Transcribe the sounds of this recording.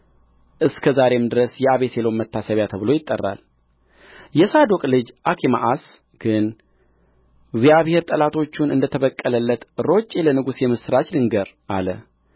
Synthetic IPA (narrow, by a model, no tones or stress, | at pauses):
ʔɨskʰəzaɾe̞md̪ɨɾəsjɛaβe̞selomːət̪ʰːasəβjat̪ʰəβɨlo̞jɪt̪ʼːərːa̰l | jɛsad̪o̞kʼlɨd͡ʒʔakʰima̰ʔas | ɡ̥ɨn | ɡzijaβhe̞ɾt̪ʼəlat̪ʰo̞t͡ʃːunɨnd̪ət̪ʰəβəkʼːələlːət̪ɾo̞t͡ʃʼːelənɨɡusjɛmɨsɾat͡ʃdɨŋɡəɾʔa̰lə